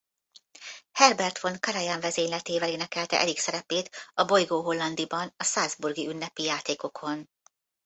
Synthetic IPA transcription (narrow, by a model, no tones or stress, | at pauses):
hɛrbɛrt̪fonkɒɾɑjaɱvɛzeːɲlɛt̪eːvɛleːnɛkɛlt̪ɛ̰ʔɛliksɛɾɛpeːt̪ɒbo̞jɡoːɦo̞lːɒnd̪ibɒnɒsaːzburɡiynːɛpijaːt̪eːko̞kʰo̞n